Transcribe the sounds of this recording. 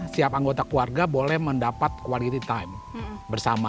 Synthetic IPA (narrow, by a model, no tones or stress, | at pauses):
siapaŋɡot̪akluarɡabolɛhməndapat̪̚kwalit̪it̪ajmbərsama